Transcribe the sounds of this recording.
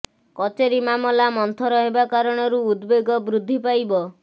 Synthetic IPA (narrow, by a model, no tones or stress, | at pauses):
kɔt͡ʃeɾimamɔlamɔnt̪ʰɔɾɔɦebakaɾɔɽ̃ɔɾuːd̪beɡɔbɾud̪ʱːipajbɔ